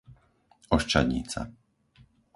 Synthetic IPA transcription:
ɔʃt͡ʃadɲḭːt͡sa̰

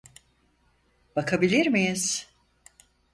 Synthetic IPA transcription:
b̥akʰabilʲiɾmijiz̥

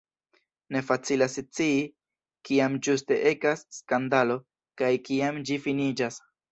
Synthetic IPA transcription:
ne̞fat͡silast͡sii | kiamd͡ʒuste̞ʔe̞kasːkandalo̞ | kajkiamd͡ʒifinid͡ʒas

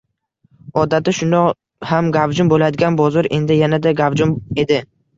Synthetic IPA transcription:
ɒd̪at̪ɪʃʊnd̪ɒ | hamɡavd͡ʒʊmbolad̪ɪɡʲanbɒzɒɾe̞nd̪ɪjanad̪aɡavd͡ʒʊme̞d̪ɪ

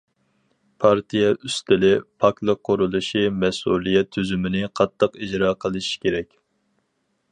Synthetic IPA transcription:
pʰɑɾt̪ʰijɛyst̪ɪlɪpʰɑklˠəqʰːoɾulˠuʃimɛsṵlˠijɛt̪ʰːyzymɪnɪqʰɑt̪ʰːəqid͡ʒɾɑːqʰəlˠɨʃi̥kʲeɾɛkʲ

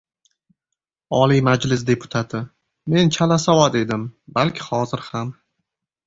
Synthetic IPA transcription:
ɒlimad͡ʒlɪs̬d̪e̞pʰʊ̥t̪ʰat̪ʰɪ | me̞nt͡ʃʰalasawat̪e̞d̪ɪmbalkʲʰɪ̥hɒzɪɾham

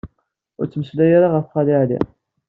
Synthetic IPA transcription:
ʊ̰ɾt͡sːməslæjaɾaʁəfχɑlɪʕlḭ

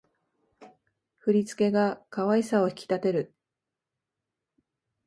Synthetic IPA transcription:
ɸɯ̟ɾʲit͡sɨ̥ke̞ɡakaβaisao̞çi̥kʲi̥t̪at̪e̞ɾɯ̟

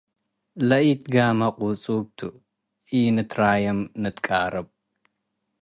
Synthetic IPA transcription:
lɐit̪ɡamɐqʼut͡sʼub̚t̪ʰu | inɨt̪ʰɾajɐmnɨt̪ʼkʼaɾɐb

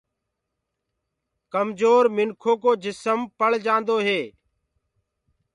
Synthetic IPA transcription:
kəmd͡ʒoːɾmɪnkʰoːkoːd͡ʒɪsəmpəɭd͡ʒãːnd̪oːɦeː

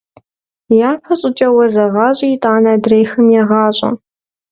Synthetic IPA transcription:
jaːpʰɐɕʼɪt͡ʃʼɐwɐzɐʁɑːɕʼiːtʼaːnɐdrejxɨmjɛʁɑːɕʼɐ̰

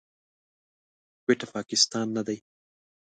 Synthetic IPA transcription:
kweʈapɑkɪst̪ɑnːad̪aj

